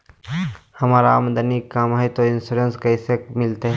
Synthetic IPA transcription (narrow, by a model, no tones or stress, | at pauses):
hɐmaːɾaə̰md̪ənikamɦɛt̪oɪnsuɾenskɐisekmɪlt̪eɦɛ